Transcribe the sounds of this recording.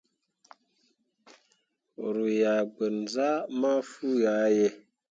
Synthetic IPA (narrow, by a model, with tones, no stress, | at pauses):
ɾu˨ja˨ɡ͡bə˨n˨za˦ma˦fu˦ja˨˦jɛ˨